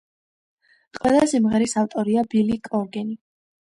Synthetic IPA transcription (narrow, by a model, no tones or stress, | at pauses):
qʼwɛlˠasimʁɛɾisaft̪ʼɔɾiabilikʼɔɾɡɛni